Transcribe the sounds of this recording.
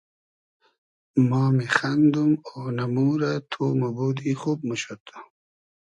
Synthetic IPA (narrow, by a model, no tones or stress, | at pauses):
maːmexand̪umonamuːɾat̪ʰoːmaboːd̪ixuːb̚məɕot̪ʰ